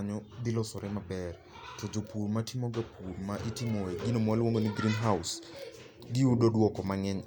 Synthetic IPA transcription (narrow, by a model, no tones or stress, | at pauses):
ɲɔd̪ɪlɔsɔɾɛmabɛr | tod͡ʒopʰuɾmatimoɡapʰuɾmaʔɪtɪmɔɛɡinomalwoŋɡoniɡɾinɦaʊs | ɡɪudodwɔkɔmaŋɛɲ